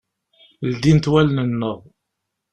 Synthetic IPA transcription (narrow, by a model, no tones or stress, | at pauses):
ld̪int̪wælnənːəʁ